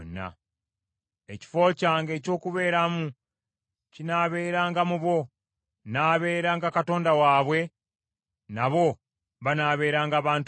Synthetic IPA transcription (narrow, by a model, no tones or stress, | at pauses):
nːa̰ | e̞ci̥fo̞ːcaːŋɡe̞ːco̞ːkuβe̞ːɾamu | cinaːβe̞ːɾaːŋɡamuβwo̞ | naːβe̞ːɾaːŋɡakato̞ːndawaːβwe̞ | naβo̞ | βanaːβe̞ːɾaːŋɡaːβaːnt